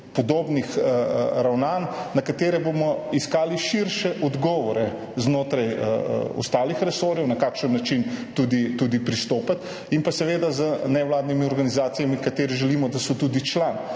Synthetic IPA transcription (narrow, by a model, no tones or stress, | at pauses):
pɔd̪oːbnixɾawnanːakat̪eːɾɛbomɔiskaːliʃiɾʃɛʔɔd̪ɡɔʋɔɾɛ | znoːt̪ɾajɔ̰st̪aːlixɾɛsoːɾjɛwnakaːkʃənːat͡ʃint̪ud̪it̪uːd̪ipɾist̪oːpat̪ | impasɛʋeːd̪azənɛwlaːd̪nimiɔɾɡanizaːt̪sijamikat̪eːɾiʒɛliːmɔd̪asɔt̪ud̪it͡ʃlan